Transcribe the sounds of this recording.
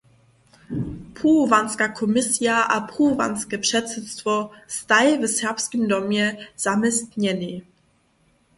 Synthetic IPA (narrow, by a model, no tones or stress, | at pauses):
pʰuvanskakʰɔmɪsjaʔa̰pʁuva̰nskəpʃɛtzɛt͡stv̥ɔstaɪvəsɛɐpskəmdɔmjɛz̥amɛstnɛni